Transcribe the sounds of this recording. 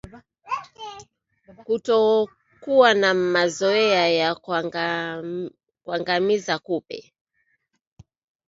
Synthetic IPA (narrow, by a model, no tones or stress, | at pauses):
kutɔ | kuwanamazɔɛaja | kwaŋɡamizakupɛ̰